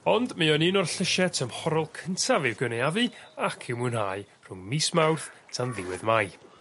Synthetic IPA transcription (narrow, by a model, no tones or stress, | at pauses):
ɔndmɨɔnɨnɔrɬəʃɛtʰəmhɔɾɔlˠkʰəntʰavɨwɡənɛavɨakʰɪwmuːnhaːɨ | r̥ʊŋmiːsmawrθtʰanðɪwɪ̰ðmaj